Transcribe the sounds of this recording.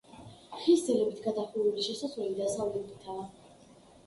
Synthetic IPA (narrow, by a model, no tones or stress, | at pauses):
χisd̪zilɛbit̪ʰɡad̪aχiuliʃɛsazvɛlid̪azavlɛkʼt̪ʰaː